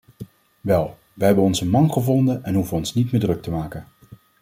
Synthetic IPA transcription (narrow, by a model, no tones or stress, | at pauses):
ʋɛlˠ | ʋəɦɛbənɔnzənmɑnχəvɔndənɛnɦuvənɔnsnitmɪːdrɵk̚təmaːkən